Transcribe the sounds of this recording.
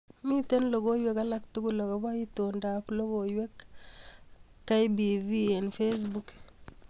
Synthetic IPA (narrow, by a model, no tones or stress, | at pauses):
mitenloɡojwekalaktuɡuloɡabaitondaːploɡojwek | ajbiviɛnfes̬buk